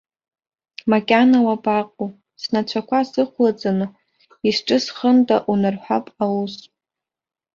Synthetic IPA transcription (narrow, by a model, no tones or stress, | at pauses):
makʲʼanawabaqʼu | snat͡ʃʷʰakʷʰasɨχʷlat͡sʼanɨ | isʈ͡ʂʼɨsχəntʼaʔunɨrħʷᶣapʼawus